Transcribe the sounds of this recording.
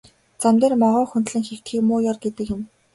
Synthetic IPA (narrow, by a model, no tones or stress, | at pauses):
t͡samt̪eːrmɔʁɔːxunt̪ɮɘ̆ŋxew̥t̪xiːkmʊːjɔrɡet̪ɘ̆kjɪ̆m